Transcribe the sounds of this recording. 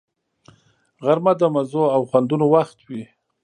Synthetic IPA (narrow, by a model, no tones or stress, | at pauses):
ɣaɾmad̪əmazoawxwand̪unowaxt̪wi